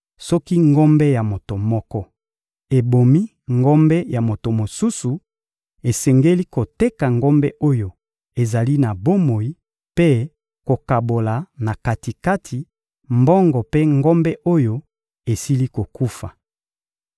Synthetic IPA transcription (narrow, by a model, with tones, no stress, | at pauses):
sɔ˦ki˦ŋɡo˦mbɛ˦ja˨mo˨to˨mɔ˦kɔ˦ | e˨bo˨mi˦ | ŋɡo˦mbɛ˦ja˨mo˨to˨mo˨su˦su˨ | e˨sɛ˨ŋɡe˦li˦ko˨te˦ka˨ŋɡo˦mbɛ˦ʔo˦jo˨ | e˨za˨li˦na˨bo˦mo˨i˦ | pe˦ | ko˨ka˨bo˨la˨na˨ka˨ti˨ka˦tʰi˨ | mbɔ˦ŋɡɔ˨pe˦ŋɡo˦mbɛ˦ʔo˦jo˦ | e˨si˦li˦ko˨ku˦fa̰˨